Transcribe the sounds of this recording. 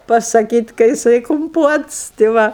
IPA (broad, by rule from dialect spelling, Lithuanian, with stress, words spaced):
pɐsɐˈkʲiːtʲ kɐ jɪˈsɐɪ kʊmˈpuɔts tʲɪ ˈʋɐ